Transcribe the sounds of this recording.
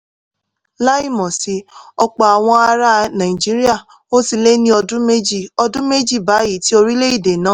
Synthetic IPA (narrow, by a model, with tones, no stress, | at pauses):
la˦i˦˨mɔ̃˨si˧˦ɔ˧k͡pɔ˨a˨w̃ɔ̃˧a˧ɾa˦nã˨i˨d͡ʒi˦ɾi˦a˦˨ | o˦si˧le˦nĩ˦ɔ˧dũ˦me˦d͡ʒi˦˨ɔ˧dũ˦me˦d͡ʒi˦˨ba˨˦i˨˦ti˦o˧ɾi˦le˦i˦˨de˨nãː˨˦